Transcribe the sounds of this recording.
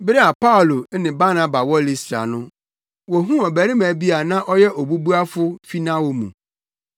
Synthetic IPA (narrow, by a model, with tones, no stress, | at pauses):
bɾɪ˦a˨pa˦ʊ˨lo˨˦nɪ̃˨ba˦nã˦ba˨wɔ˦li˨sɾa̰˨nʊ̃˦ | wɔ˨ɦũ˦ɔ˨bæ˨ɾɪ̃˦mæ˨bi˦a˨nã˦ʔɔ˦jɛ˦ʔɔ˨bu˦bu˦a˦fʊ˦fi˦nã˦wo˨mũ˨